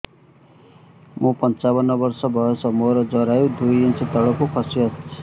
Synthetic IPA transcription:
mʔopʌnt͡sabʌnːʌbʌrsʌbʱʌesʌmoɾʌd͡zʌɾajõd̪ujint͡sʰit̪ʌɽʌkokʰʌsijʌt

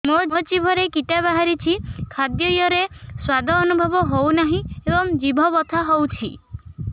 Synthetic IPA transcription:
mot͡ʃibʱɔɾekiʈabaɦaɾit͡ʃʰikʰad̪jɔjɔɾeswad̪ʱɔːnubʱɔbɔɦownaɦĩebɔmd͡ʒibʱɔbɔt̪ʰaɦowt͡ʃʰi

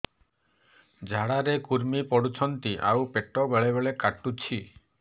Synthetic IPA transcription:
d͡ʒʱaɽaɾekuɾmipɔɽut͡ʃʰɔnt̪iʔa̰wpeʈɔbeɭeβeɭekaʈut͡ʃʰi

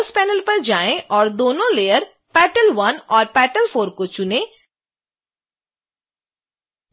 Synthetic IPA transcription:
spɛːnəlpɐɾd͡ʒaːẽʔɔːɾd̪oːnõlejəɾ | pɛʈəlʋɐnɔːɾpɛːʈəlfʰoːɾkot͡ʃʊnẽ

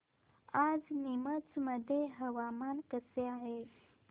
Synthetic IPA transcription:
ad͡znimət͡sməd̪ʱjeɦəʋamankəseaɦe

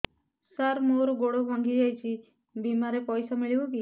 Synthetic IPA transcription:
saɾmoɾɔɡoɽobʱɔŋɡid͡ʒajt͡ʃʰi | bimaɾepɔjsamiɭiboki

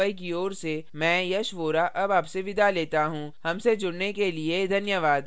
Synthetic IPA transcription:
əik̬ioːɾsemɛ̃ːjɐʃʋoːɾaʔɐbaːpseʋɪd̪ʱaleːt̪aɦũːhɐmsed͡ʒʊɽnekelied̪ʱɐnjəʋaːd̪

